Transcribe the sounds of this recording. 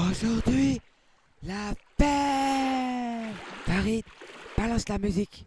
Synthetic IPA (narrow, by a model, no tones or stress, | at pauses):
oʒuʁd̪ɥi | lapɛ | faʁid̪b̥alɑ̃slamyzik